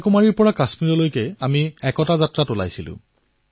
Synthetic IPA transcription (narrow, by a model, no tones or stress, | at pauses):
kumaɹiɹpɔɹakasmiɹɔlojkɛamiɛkɔtazatɹatola̰jsilʊ̰̃